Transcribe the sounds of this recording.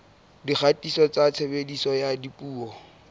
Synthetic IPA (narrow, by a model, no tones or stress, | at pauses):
dik͡xʰatʼisɔt͡sat͡sʰebedisɔjadipʼuːɔ